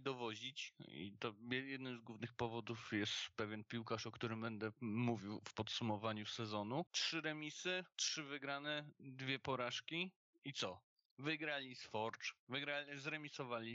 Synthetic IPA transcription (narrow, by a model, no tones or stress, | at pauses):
d̪ɔvɔʑit͡ɕḭt̪ɔɛjɛd̪nɘmzɡwuvnɘxpɔvɔd̪ufjɛst̪pɛvʲjɛnpʲiwkaʂɔkt̪uɾɘmbɛnd̪ɛmuvʲiwfpɔt̪sumɔvaɲusɛzɔnutʂɘɾɛmʲisɘtʂɘvɘɡɾanɛd̪vʲjɛpɔɾaʂkʲi | it̪sɔ | vɘɡɾalʲisfɔɾt͡ʂvɘɡɾalʲizɾɛmʲisɔvalʲi